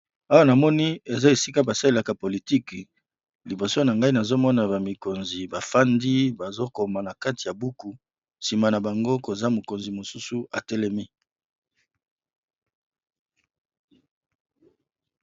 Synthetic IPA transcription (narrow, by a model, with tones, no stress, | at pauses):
a˦wa˦na˨mɔ˦ni˦e˨za˦e˨si˦ka˦ba˨sa˦e˦la˨ka˨po˨li˨ti˦k | li˨bo˨so˦na˨ŋɡa˦i˦na˨zo˦mɔ˦na˨ba˨mi˨ko˨nzi˨ba˨fa˦ndi˦ba˨zo˦ko˨ma˨na˨ka˦ti˨ja˨bu˦ku˨ | si˨ma˨na˨ba˨ŋɡo˦ko˨za˦mo˨ko˨nzi˨mo˨su˦su˦ʔa̰˨tɛ˦lɛ˦mi˦